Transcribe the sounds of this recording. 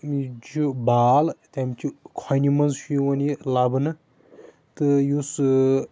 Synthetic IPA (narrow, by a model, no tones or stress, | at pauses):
id͡ʒubaːlt̪amt͡ʃʰikʰɔjnimɐnzʃujwɐnilabɨnɨ | t̪ɨjus